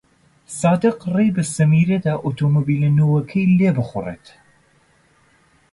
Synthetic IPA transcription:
sɑːd̪ɨqrejbɐsɨmiːɾɐd̪aːʔot̪ʰoːmobiːlɐnowɐkʰɐjleːbɨχʊrḛːt̪

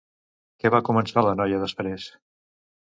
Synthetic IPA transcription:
kɛβakumənsalənɔjəðəspɾes

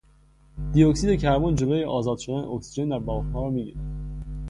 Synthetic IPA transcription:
d̪̥ijoksid̪e̞cʰæɾmɒnd͡ʒo̞lojeʔɒːzɒːd̪̥ʃo̞d̪ænḛoksid͡ʒe̞nd̪æɾbɒːʁhɒːɾɒːmibḭnid̪

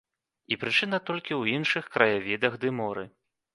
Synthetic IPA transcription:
ipɾɨt͡ʂɨnɐt̪ɔlʲkʲiwinʂɨxkɾɐjavʲid̪ɐɣd̪ɨmɔɾɨ̰

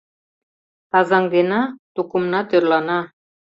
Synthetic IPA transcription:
t̪ɑzɑŋd̪enɑt̪ukumnɑt̪øɾlˠɑnɑ

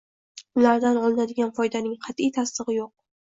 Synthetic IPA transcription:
ʊlaɾd̪anɒlˠɪnad̪ɪɡʲanfɒjd̪anɪŋqʰɑt̪ijt̪ʰast̪ɨʁɨjoq̚

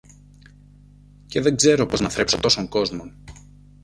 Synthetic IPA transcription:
ce̞ðe̞ŋɡze̞ɾo̞po̞znɐθɾe̞pso̞t̪o̞so̞ŋko̞zmo̞n

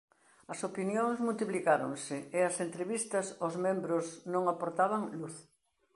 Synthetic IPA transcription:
ɐsopinjoŋzmult̪iplikaɾo̰ŋsɪeɐsent̪ɾeβist̪ɐsozmẽmbɾʊsnõŋapoɾt̪aβɐŋluθ

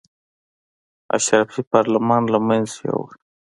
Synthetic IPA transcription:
a̰ʃɾafipɑɾlamɑnlamanzja̰w̰

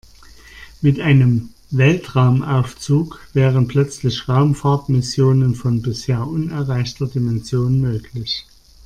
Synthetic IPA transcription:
mɪtʔaɪnəm | vɛltʁaʊmʔaʊft͡suːkv̥ɛːʁ̞ənpʰl̥œt͡slɪçʁaʊmfaɐtmɪsjoːnənfɔnbɪsheːɐʔʊnɛɐʁaɪçtɐdimɛnzjoːnmøːkʰlɪç

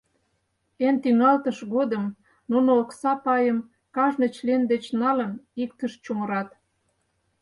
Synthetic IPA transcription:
ent̪iŋɑlt̪əʃɣod̪əm | nunooksɑpɑjəm | kɑʒnət͡ɕlend̪et͡ɕnɑlənik̚t̪əʃt͡ɕuməɾɑt̪

